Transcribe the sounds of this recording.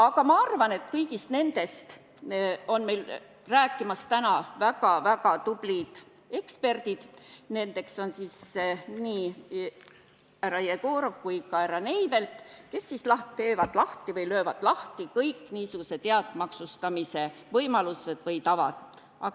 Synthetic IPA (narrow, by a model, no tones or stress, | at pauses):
ɑkɑmɑɑrvɑne̞t̪kɤjɡist̪ne̞nd̪̥e̞st̪ | o̞nme̞jl | ræːkˑːimɑst̪ænɑvæɡɑvæɡɑt̪ub̥lid̪̥ | e̞kspe̞rd̪̥id̪̥ne̞nd̪e̞kso̞nsisniː | æɾɑjeɡo̞ːɾo̞vkujkɑæɾɑne̞jve̞lt̪ke̞sːislɑht̪t̪e̞ːvɑd̪̥lɑht̪ivɤjløːvɑd̪̥lɑht̪ikɤjkːniːsuɡ̥use̞t̪eɑd̪̥mɑksust̪ɑmise̞vɤjmɑluse̞d̪̥vɤjt̪ɑvɑ̰d̪̥ | ɑk